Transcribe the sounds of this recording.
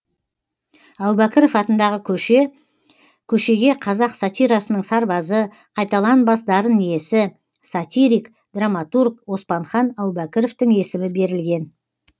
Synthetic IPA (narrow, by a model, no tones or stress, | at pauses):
ɑwbækʲɪɾofɑt̪ənd̪ɑʁə | kʲʰɵʃe̞ɡʲe̞qʰɑzɑqsat̪ʲijɾɑsənəɴsɑɾbɑzə | qʰɑjt̪ɑlˠɑnbɑsd̪ɑɾənije̞sɪ | sat̪ʲijɾijk | d̪̥ramat̪urk̚wo̞spɑɴχɑnɑwbækʲɪɾo̞ft̪əŋe̞sɪmɪbe̞ɾɪlɡʲe̞n